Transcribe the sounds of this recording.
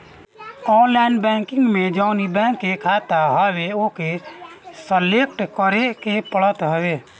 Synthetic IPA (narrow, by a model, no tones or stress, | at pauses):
ɔːnlaɪnbɛ̃ːŋkɪ̃ŋɡmẽd͡ʒəʊnibɛ̃ːŋkːekʰaːt̪aɦəweoːke | səlek̚ʈkəɾekepəɭət̪ɦəwe